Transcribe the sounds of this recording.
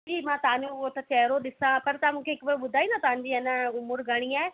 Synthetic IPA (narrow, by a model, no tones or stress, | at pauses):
imãːt̪ɐãɲd͡ʑõɦot̪ɐt͡ɕɛɦɾoɗɪsãpɐɾt̪ɐãmũːkʰeɦɪkʋeɓʊd̪ʱaːĩnat̪ɐɦãɲ̆d͡ʑiɐnəʊmʊɾɡʱɐɽ̃iaːe